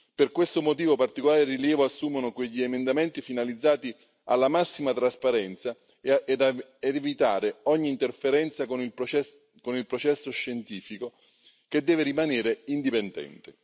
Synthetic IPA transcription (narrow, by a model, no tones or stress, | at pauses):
perkwest̪omot̪̬iːvopart̪ikolaːɾeriljɛːvoasːuːmonokweʎːiemend̪ament̪ifinalid̪zːaːt̪i | a̰lːamasːimat̪ɾaspaɾɛnt̪sa | d̪aed̪evit̪aːɾeɔɲːiːnt̪erfeɾɛnt̪sakonil | konilpɾot͡ʃɛsːoʃːent̪iːfiko | ked̪ːɛːveɾimaneːɾeind̪ipend̪ɛ̰nt̪e